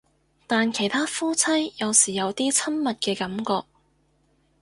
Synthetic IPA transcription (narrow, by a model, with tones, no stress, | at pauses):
t̪aː˨nkʰe˨˩jt̪ʰaː˥fuː˥t͡sʰɐ˥jjɐ˨˧wsiː˨˩jɐ˨˧wt̪iː˥t͡sʰɐ˥nmɐ˨t̚kɛː˧kɐ˨˧˥mkɔː˧k̚